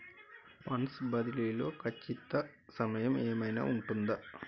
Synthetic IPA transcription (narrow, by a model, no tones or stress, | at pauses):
pɐnsbɐd̪ililo̞ːkʰɐt͡ʃːit̪ɐ | sɐmɐjɐmeːmɐjna̰ːuɳʈund̪ɐ